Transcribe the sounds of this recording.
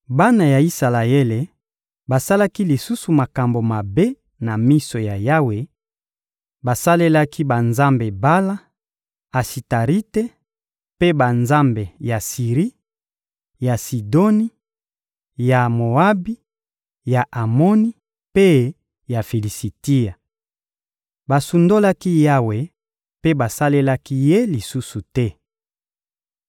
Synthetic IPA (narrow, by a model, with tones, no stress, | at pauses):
ba˦na˨ja˨i˦sa˨la˨e˦le˨ | ba˨sa˦la˦ki˦li˨su˦su˨ma˨ka˨mbo˨ma˨be˦ | na˨mi˦so˨ja˨ja˦we˨ | ba˨sa˦le˦la˦kʰi˦ba˨nza˦mbe˨ba˦la˦ | a˨si˨ta˨ʁi˦te˦ | pe˦ba˨nza˦mbe˨ja˨si˨ʁi˦ | ja˨si˨do˦ni˦ | ja˨mo˨a˦bi˦ | ja˨ʔa˨mo˦ni˦ | pe˦ | ja˨fi˨li˨si˨ti˦a˨ | ba˨su˨ndo˦la˦ki˦ja˦we˨ | pe˦ba˨sa˦le˦la˦ki˦je˦li˨su˦su˨tɛ˦